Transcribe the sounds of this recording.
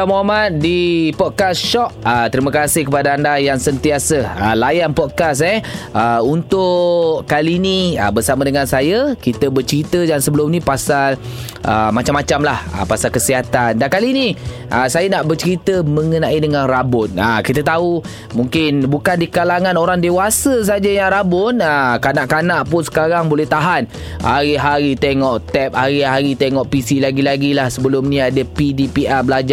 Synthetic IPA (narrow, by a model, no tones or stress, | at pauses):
amoɦamat̪̚dipɔd̪̚kasʃɔʔ̚ət̪əɾiməkasɪhkəpadaandajaŋsənt̪iasəalajanpɔd̪̚kas̬ɛəunt̪ʊʔkaliniə̰bərsamadəŋansajəkit̪əbərt͡ʃəɾit̪ədansəbəlʊmnĩpasal | ʔə̰mat͡ʃamːat͡ʃamlahə̰pasalkəsiɦat̪andankaliːni | ʔəsajanaʔbərt͡ʃəɾit̪əmə̃ŋənãʔidəŋanrabʊt̪̚a̰kit̪ət̪au | muŋkɪnbukandikalaŋãnoɾaŋdewasəs̬ad͡ʒajaŋɾabʊnakanaʔkanaʔpʊnsə̥kaɾaŋbolɛht̪aɦan | ha̰ɾiɦaɾit̪eŋɔʔt̪ɛp̚haɾiɦaɾit̪eŋɔʔpisilaɡilaɡilahsəbəlʊmnĩadəpidipiabəlad͡ʒ